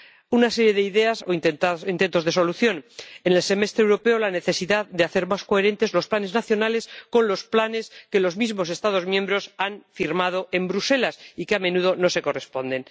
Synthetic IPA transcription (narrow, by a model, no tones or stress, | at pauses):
unaseɾje̞ðeiðe̞asoint̪e̞nt̪oðe̞so̞luθjo̞nene̞lse̞me̞st̪ɾewɾo̞pe̞olane̞θe̞siðaððeaθe̞ɾmasko̞e̞ɾẽ̞nt̪e̞zlo̞splane̞znaθjo̞nale̞sko̞nlo̞splane̞ske̞lo̞zmizmo̞s̬e̞st̪aðo̞zmjẽ̞mbɾo̞sanfiɾmað̞oʔe̞mbɾuse̞lasikeamẽ̞nuð̞o̞no̞se̞ko̞re̞spõ̞nd̪e̞n